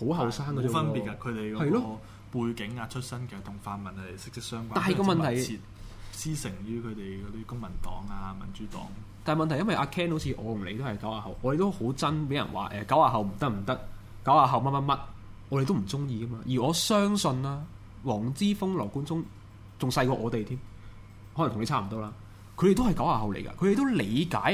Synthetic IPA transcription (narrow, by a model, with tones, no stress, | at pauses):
ho˨˥wɦɐ˨wsaː˥ŋkɐ˨˧˨fɐ˥npi˨t̚ka˧kʰɵ˨˧ɥt̪e˨jkɔhɐ˨jlɔː˥ɔ˧ | puː˧jkɪ˨˥ŋaː˧t͡ʃʰɵ˥t̚sɐ˥nkɛː˨˧t̪ʰʊ˨˩ŋfaː˧mɐ˨˩nhɐ˨jsɪ˥k̚sɪ˥k̚sœː˥ŋkʷaː˥taː˥nɦɐ˨jkɔː˧mɐ˨ntt̪ʰɐ˨˩jʰi˨t̚ | siː˥sɪ˨˩ŋjyː˥kʰɵ˨˧t̪e˨jkɔ˨˧t̪iː˦˥kʊ˥ŋmɐ˨˩nt̪ɔ̰ː˨˥ŋaː˧mɐ̰˨˩nt͡ʃyː˨˥t̪ɔ̰ː˨˥ŋ | t̪aː˨n˨˩mɐ˨nt̪ʰjɐ˥nwɐ˨jʔaː˧kʰɛː˥nho˧˥t͡sʰiː˧ʔɔ̰ː˨˧jʊ˨˩le˨˧jt̪o˥hɐ˨˩jkɐ˨˥waː˨˧ɦɐ̰˨wʔɔː˨˧de˨t̪o˥who˨˥wt͡sɐ˥npe˨˥jɐ̰˨˩nwa̰ː˨˩ʔɛː˨kɐ˨˥waː˧ɦɐ˨˩wm̩˨˩t̪ɐ˥k̚m̩˨˩t̪ɐ˥k̚ | kɐ˨˥waː˨˧ɦɐ˨wmɐ˥t̚mɐ˥tmɐ˥t̚ʔɔː˨˧ɾe˨˧jt̪o˥m̩˨˩t͡sʊ˥ŋjiː˧kɐ˥maː˧jiː˨˩ɔː˨˧sœː˥ŋsɵ˧nlaː˥ | wɔː˨˩ŋt͡siː˥fʊ˥ŋlɔː˨˩kuː˨˥nt͡sʊ˥ŋ | t͡sʊ˨ŋsɐ˧jkɔː˧ʔɔː˨˧t̪e˨jt̪ʰiː˥m | ht̪ʰŋle˧t͡sʰaː˥m̩˨˩t̪o˧˥wlaː˧ | kʰɵ˨˧ɾe˨˩t̪o˥hɐ˨jkɐ˨˥waː˧˩ɦɐ˨wlḛ˨˩jkɐ̰˧kʰɾe˨˧t̪wle˨˧jka̰ː˨˥j